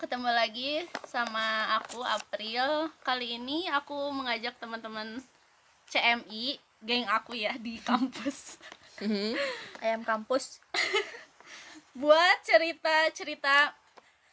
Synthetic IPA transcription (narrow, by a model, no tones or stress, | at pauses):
kət̪əmalaɡisamaːkua̰pɾilkaliːniakuməŋad͡ʒak̚t̪əmənt̪əmən | t͡ʃeɛmi | ɡɛŋakujadikampʊs | ajamkampʊs | buat̪̚t͡ʃəɾit̪at͡ʃəɾit̪a